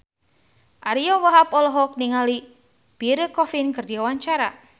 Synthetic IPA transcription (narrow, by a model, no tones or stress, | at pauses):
ʔaɾiɔwaɦapɔlɔɦɔk̚niŋali | piɾəkɔfinkɨrdiwawaɲt͡ʃaɾa̰